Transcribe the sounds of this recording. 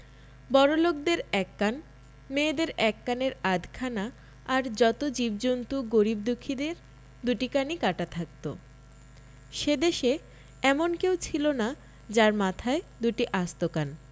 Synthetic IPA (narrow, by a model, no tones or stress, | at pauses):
bɔɾolok̚d̪eɾɛkːan | meːd̪eɾɛkːaneɾad̪ʱkʰanaː | ɾd͡ʑɔt̪od͡ʑibd͡ʑont̪uɡoɾib̚d̪ukʰːid̪eɾ | d̪uʈikanikaʈat̪ʰak̚t̪o̰ | ʃed̪eʃe | ɛmonkewt͡ɕʰilona | d͡ʑaɾmat̪ʰaed̪uʈiʔast̪okan